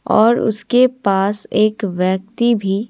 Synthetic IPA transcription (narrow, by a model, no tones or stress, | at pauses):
ɔ̰ːɾʊ̰skepaːseːkʋjək̚t̪ibʱi